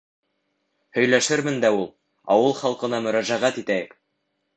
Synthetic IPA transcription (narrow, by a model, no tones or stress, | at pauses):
hɵ̆jlæʃɘɾmɘnd̪æulˠ | ɑ̰wɤlˠχɑlˠqɤ̆nɑmɵ̆ɾæʒæʁæt̪it̪æjɘk